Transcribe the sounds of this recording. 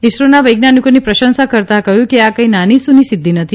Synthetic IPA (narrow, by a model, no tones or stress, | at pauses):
iʃɾonaʋəjɡnanikonipɾəʃənsakəɾt̪akəjũkeakəĩnanisũnisɪd̪ʱːinət̪ʰi